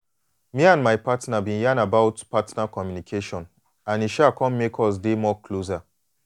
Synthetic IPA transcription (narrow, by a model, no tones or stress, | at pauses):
miãnmajpatnabĩnjãnabaʊtpatnakɔmjunikʰeʃɔ̃n | ãniʃakɔ̃mmekʰɔs̬demɔkʰloza